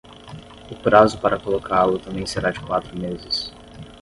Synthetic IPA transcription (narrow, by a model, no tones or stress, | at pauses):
ʊpɾazʊpaɾɐkolokʰaɾlʊt̪ɐ̃mbẽj̃seɾad͡ʒɪkwat̪ɾʊmezɪs